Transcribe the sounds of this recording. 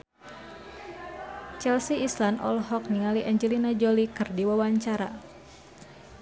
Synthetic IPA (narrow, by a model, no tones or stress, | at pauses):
t͡ʃɛlsiislanɔ̰lɦɔk̚niŋaliʔɛɲd͡ʒɛlinad͡ʒolikɨrdiwawaɲt͡ʃaɾa̰